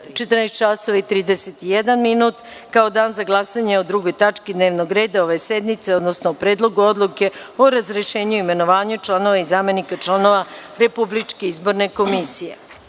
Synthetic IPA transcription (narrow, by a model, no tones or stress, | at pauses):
t͡ʃet̪ɾrnajst̪̚t͡ʃaso̞ʋait̪ɾiːd̪eset̪ijed̪anminuːt̪ | kaod̪aːnzaɡlˠasaɲeod̪ɾuɡo̞jt̪at͡ʃkid̪neːʋnoɡɾe̞ːd̪ao̞ʋe̞sed̪mit̪seod̪nosnoopɾeːd̪lˠo̞ɡuod̪lˠuke̞oɾazɾeʃe̞ːɲuime̞no̞ʋaːɲut͡ʃlˠano̞ʋaizaːme̞nikat͡ʃlˠano̞ʋaɾe̞publit͡ʂke̞izbo̞ɾne̞ko̞misije̞̰